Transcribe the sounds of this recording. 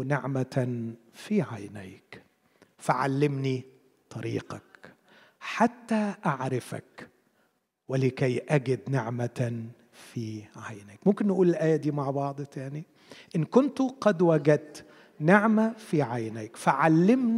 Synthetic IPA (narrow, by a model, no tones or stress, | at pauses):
nɪʕma | fiʕajnæ̰ːk | faʕa̰lːɪmni | t̪ˤɑɾḭːqɑk | ħat̪ːæʔaʕɾɪfa̰k | wɪlɪkæjʔæɡɪd̪nɪʕma | fiʕajnæːkmʊmkɪnːɪʔuːlɪlʔæːjæd̪iːmaʕbɑʕd̪ˤt̪ani | ʔɪnːkʊnt̪qɑd̪wæɡæt̪ | nɪʕmafiʕajnækfaʕalːɪmn